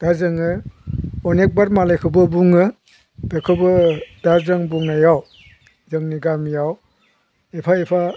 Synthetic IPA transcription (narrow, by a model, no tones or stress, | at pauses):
d̥azɯŋɯ | ɔnek̚baɾmalakʰɯbɯbuŋɯ | b̥ekʰɯbɯdazɯŋbuŋnajaw | zɯŋniɡamijaw | epʰaepʰa